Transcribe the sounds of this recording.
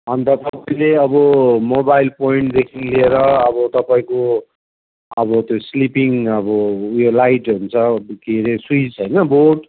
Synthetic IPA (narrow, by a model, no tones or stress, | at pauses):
ʌnt̪ʌt̪ʌpaĩleʌbʌmobailpoiɳʈd̪ekʰinlieɾʌːbʌt̪ʌpaĩko | ʌbʌt̪joslipiŋʌbʌjolajʈɦunt͡sʰʌkeɾesuit͡sɦʌjnʌboʈ